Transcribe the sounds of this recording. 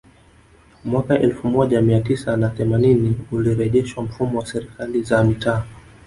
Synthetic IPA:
mwakaʔɛlfumɔʄamiatisanaθɛmaniniuliɾɛʄɛʃwam̩fumɔwasɛɾikalizamitʰaː

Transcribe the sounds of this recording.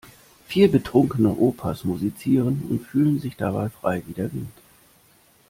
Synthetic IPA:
fiːɐbətʁ̥ʊŋkənəʔoːpʰasmuzit͡siːʁ̞ənʊ̰ntfyːlənzɪçd̥abaɪfʁ̥a̰ɪviːdɐvɪnt

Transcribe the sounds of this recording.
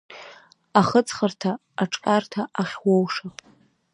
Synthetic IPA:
aχət͡sʰʼχərtʰaː | ʈ͡ʂʼkʼartʰaʔaχʲwowʂapʼ

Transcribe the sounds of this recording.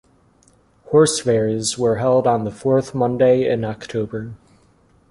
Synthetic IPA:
hɔɹsvɛɹzwə˞ɦɛlˠdn̩ðəfɔɹθmʌ̃ndeɪɪ̰̃nɑktʰoʊbə˞

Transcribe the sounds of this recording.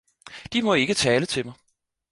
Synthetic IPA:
d̥imɒ̽e̝ɡ̥ət͡sʰɛːlət͡sʰe̝mɑ̈ɪ

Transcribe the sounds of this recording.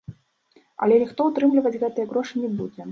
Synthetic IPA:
ɐ̰lʲɛnʲixt̪ɔut̪ɾɨmlʲivɐd͡zʲɣɛt̪ɨjɐɣɾɔʂɨnʲɛbud͡zʲɛ

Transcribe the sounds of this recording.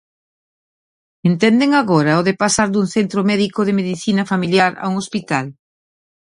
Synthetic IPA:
ent̪ɛnd̪eŋaɣɔɾɐoðepasaɾd̪uŋθent̪ɾomɛðikoðɪmeðiθinɐfamiljaɾa̰uŋospit̪al

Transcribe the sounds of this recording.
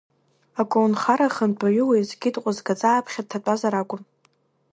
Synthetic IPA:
akʷʼownχaɾaχəndʰʼaɥʊwejzɡʲɪtʼqʷʼʊzɡat͡sʼaːpʰχʲad̚tʰatʼazaɾakʷʼʊm

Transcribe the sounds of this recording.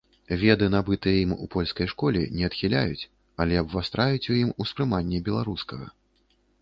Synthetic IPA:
vʲɛd̪ɨnabɨt̪ɨjɛimṵpɔlʲskɐjʂkɔlʲɛ̰nʲɛɐt̪xʲilʲajut͡sʲ | ɐlʲɛjɐbvast̪ɾajut͡sʲujimuspɾɨmanʲːɛbʲɛlˠaɾuskɐɣɐ̰

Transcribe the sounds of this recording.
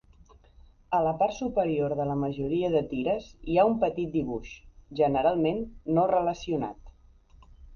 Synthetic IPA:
ələpaɾt̪supəɾioɾðələməʒuɾiəðət̪iɾəziaumpət̪it̪̚d̪iβuʃʒənəɾalˠmenːorələsiuna̰t̪

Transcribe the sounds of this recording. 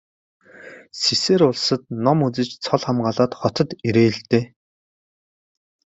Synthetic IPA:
siseːɾʊɮsə̆t̪nɔmut͡sɘ̆t͡ɕt͡sʰɔɮχamɢaːɮaːt̪χɔt̪ɞ̆t̪iɾĕːɮt̪eː

